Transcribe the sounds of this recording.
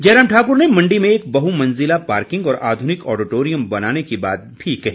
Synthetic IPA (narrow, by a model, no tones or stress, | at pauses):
d͡ʒɛːɾəmʈʰaːkʊɾnemɐ̃ɳɖimẽeːk̚bɐɦumɐ̃nzɪlapaːɾkɪ̃ŋɡɔːɾʔaːd̪ʱʊnɪkɔːɖɪʈoːɾijə̃mbɐnaːnekiba̰ːt̪̚bʱikɐɦiː